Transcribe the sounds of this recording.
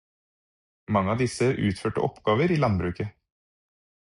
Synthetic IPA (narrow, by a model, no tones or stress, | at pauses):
mɑŋːəɑːd̪ɪsəʔʉ̰ːt̪føːʈə̰ʔɔ̰pɡɑːʋəɾiːlɑnbɾʉːkə